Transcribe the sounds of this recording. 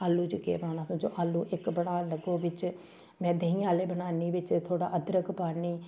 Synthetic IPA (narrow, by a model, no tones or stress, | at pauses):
aːlːuːd͡ʒəkḛːbaːnaːsũːd͡ʒo̰ːʔaːlːuːʔɪkbəɽaːləɡoːʋɪt͡ʃ | mɛ̃ːd̪eɦĩːaːleːbənaːniːʋɪt͡ʃt̪ʰoːɽa̰ːʔəd̪ɾəkpaːɾniː